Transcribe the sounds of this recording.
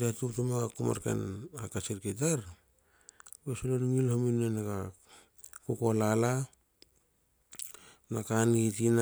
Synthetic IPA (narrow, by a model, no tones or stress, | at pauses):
atutumaɡakuma̰ɾkḛnakat͡ʃiɾket̬aɾ | besolonuŋilhominenaɡa | kukolala | nakanɡitin